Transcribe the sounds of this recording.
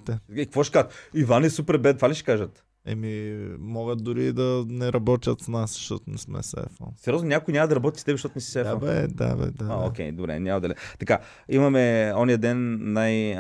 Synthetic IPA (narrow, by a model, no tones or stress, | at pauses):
t̪ɛikkvɔʃkat̪ivanɛsupɛɾbɛt̪t̪valʲiʃɛ̥kaʒət̪ | ɛ̰mimɔɡət̪̚d̪uɾid̪ɐnɛɾɐbɔt̪ʲət̪snaszʃt̪ɔt̪ʊnɛsmɛ̰sɛ̰fɔ̰nsɛɾʲjoznonʲakoinʲamɐd̪ɐɾɐbɔt̪ʲist̪ɛbɛʃt̪ɔt̪ʊnɛsi̥sɛfbɛd̪a̰bɛ̰d̪aaokʲɛjd̪obɾɛ̰nʲamɐd̪ɐlɛ̰t̪ɐka | imɐmɛɔnijəd̪ɛnːaj